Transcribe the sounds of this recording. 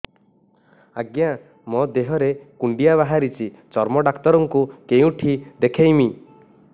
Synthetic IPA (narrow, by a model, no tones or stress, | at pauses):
aɡja | mɔd̪eɦɔɾekuɳɖijaβaɦaɾit͡ʃʰi | t͡ʃɔɾmɔɖakt̪ɔɾɔŋkukeũʈʰid̪ekʰejmi